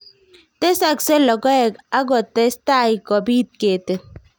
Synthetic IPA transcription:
t̪e˦sa˦kse˦lɔ˨ɡɔ˦ɛ˨ka˦ɡɔ˨t̪e˦st̪a˦˨i˨kɔ˨biː˦t̪̚ke˨t̪e˨

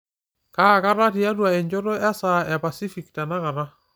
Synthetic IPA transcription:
ka˦˨ka˦ɾa˦ti˨a˦twa˨ɛ˨ɲd͡ʒo˦ɾo˦a˦sa˨ɛ˨pa˨si˦fi˨kta˨na˦ka˨ɾa˦

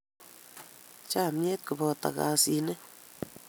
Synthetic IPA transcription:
t͡ʃa˦˨mje˦t̪̚ku˨bo˧˨t̪a̰˨ɡa˧si˧ne˦

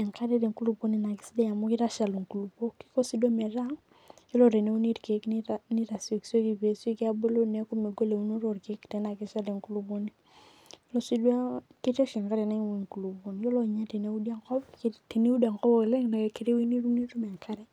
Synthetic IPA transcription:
ɛ˨ŋka˦ɾɛ˦ɾe˨ŋku˦lu˦bo˦ni˨na˨ki̥˦si˦de˦ja˨mu˦ki˦ɾa˦ʃa˨lu˨ŋku˨lu˨po˦ki̥˦kɔ˦si˦da˦mɛ˨ɾa˦ŋ | i˦lɔ˦˨ɾe˨ne˦u˦ni˦ɾke˨˦knni˦ɾa˨si˨kso˦ki˦˨pe˨se˦ka˦be˦lo˦ne˦ku˦me˨ɡo˦le˨u˦no˦ɾo˨ɾke˦kːtɛ˨na˨ki˦ʃa˦le˨ŋku˦lu˦bo˦ni˦ | lo˦si˦dwa˦ki˦te˦ʃi˨ŋka˦ɾɛ˨na˦ŋ˦wu˨ŋku˨lu˨bo˨ni˨jo˦lɔ˦˨ɲa˦te˨ne˦u˦di˦a˦ŋkɔ˦bkte˨ne˦u˦da˨ŋkɔ˦bɔ˦˨klɛ˦ŋna˨ke˨ki˦ɾe˦wi˦ni˦ɾu˦ni˦ɾu˦mɛ˨ŋkʰa˦ɾɛ˦

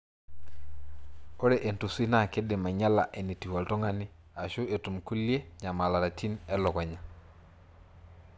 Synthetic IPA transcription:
o˦ɾɛ˨ʔe˨ntu˨si˦na˨ke˦dɪ˨ma˨ɲa˦la̰˨ʔe˨ni˨ti˨wɔ˨ltɔ˦ŋa˦nɪ˦ | a˨ʃʊ˦e˨tu˨mku˦li˦e˦ɲa˨ma˨la˨ɾa˨ti˦nɛ˦lɔ˨kɔ˨ɲa˨

